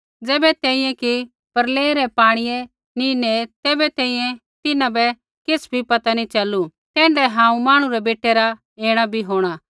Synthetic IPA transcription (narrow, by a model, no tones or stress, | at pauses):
d͡zɛːbɛt̪ɛ̃ːĩjɛ̃ki | pɐɾleːɾɛpaːɽ̃ɪjɛ | ninet̪eːbɛt̪ɛ̃ːĩjɛ̃ | t̪ɪnãbɛ | kɪsbʱipɐt̪anit͡ʃɐlːu | t̪ɛ̃ːɳɖɛɦãːũmaːɽ̃ũɾɛbeːʈeɾa | eːɽ̃abʱiɦoːɽ̃aː